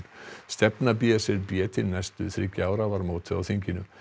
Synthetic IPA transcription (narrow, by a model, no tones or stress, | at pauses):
st̪ɛpnap̬jɛsɪɾpjɛːt̪ʰɪnnɛjst̪ʏθɾɪkaːwɾavaɾmoːwt̪ʰɪawθiɲcɪnʏ